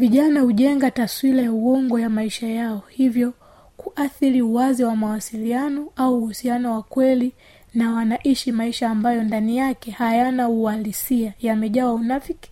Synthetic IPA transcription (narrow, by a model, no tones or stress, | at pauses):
viʄanahuʄɛŋɡataswilajauwɔŋɡɔjamaiʃajaɔhivjɔ | kuʔaθiɾiuwaziwamawasilianɔauːhusianɔwakwɛli | nawanaʔiʃimaiʃaːmbajɔndanijakɛhajanaualisiajamɛʄawaunafiki̥